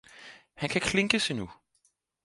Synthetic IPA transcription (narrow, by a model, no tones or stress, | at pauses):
hænkʰækʰle̝ŋɡ̥əsinu